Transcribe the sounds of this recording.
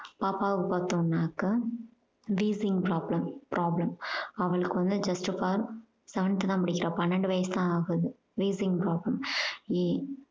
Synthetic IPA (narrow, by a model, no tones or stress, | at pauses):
paːpaːʋkɯpɐːt̪ːõːnːaːkːɐ | ʋiːsɪŋɡpɾaːblɐmpɪɾʔaːblɐmɐʋɐɭɯkːɯʋɐnd̪ɯd͡ʒɐsʈfaːɾ | sɐʋɐɳɐt̪ːt̪ãːpɐɽɪkʲːɪɾãːpɐnːɐɳɖɯʋɐjɐst̪ãːaːɣɯðɯ | ʋiːsɪ̃ŋɡpɾaːblɐmi